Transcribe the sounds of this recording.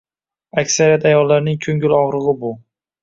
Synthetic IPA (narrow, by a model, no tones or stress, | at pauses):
akʲsaɾijat̪ʰajɒlːaɾnɪŋkʲʰɵŋɡʲɪlɒʁɾɨʁɨbʊ